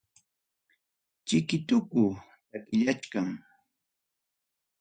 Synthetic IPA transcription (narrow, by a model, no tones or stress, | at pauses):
t͡ʃɪkɪt̪ʊkʊ | t̪akɪʎat͡ʃkaŋ